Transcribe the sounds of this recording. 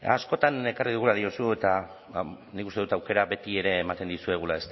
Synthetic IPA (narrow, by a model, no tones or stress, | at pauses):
a̰sko̞t̪ane̞kariðuɣ̞ulaðiosue̞t̪a | nikust̪e̞ðut̪awke̞ɾabe̞t̪ie̞ɾe̞ːmat̪e̞nd̪isue̞ɣ̞ulae̞st̪